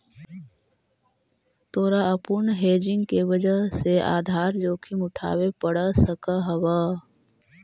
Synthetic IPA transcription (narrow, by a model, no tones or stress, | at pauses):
t̪oːɾaɐpʊɳɦeːd͡ʒɪ̃ŋɡkeʋəd͡ʒəseʔa̰ːd̪ʱaːɾd͡ʒoːkʰimʊʈʰa̰ːwepəɽasəkaɦɐwaː